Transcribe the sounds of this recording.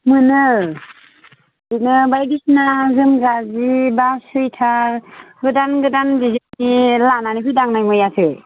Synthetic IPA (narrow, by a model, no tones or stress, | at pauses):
mɯnɯ | ɯnɯbajɡisnazɯmɡazibasɯjtʰaɾɡɯdanɡɯdanzizɯtnilananipʰɯdaŋnajmɯjatʰɯj